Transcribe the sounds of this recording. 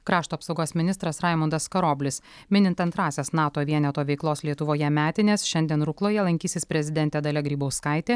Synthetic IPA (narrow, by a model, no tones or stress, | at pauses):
kɾɑːʃt̪uːpsɒʊɡoːsmʲɪnʲɪst̪ɾɐsɾɑˑɪmʊnd̪ɐskɐɾoːbʲlʲɪs | mʲɪnʲɪnt̪ɐnt̪ɾɑːsʲeːsnɑːt̪oːʋʲiɛnʲɛt̪oːʋʲɛɪklˠoːslʲiɛt̪ʊʋoːjɛmʲæːt̪ʲɪnʲeːsʃʲɛnʲd̪ʲiɛnɾʊklˠoːjɛlˠɐŋʲkʲiːsʲɪspʲɾʲɛzʲɪd̪ʲɛnʲt̪ʲeːd̪ɐlʲɛɡɾʲiːbɐʊskɑɪt̪ʲeː